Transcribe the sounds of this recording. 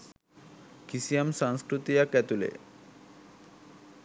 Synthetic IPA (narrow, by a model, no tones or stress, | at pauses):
kisijamʃãŋskɾut̪ijakɛt̪ulḛ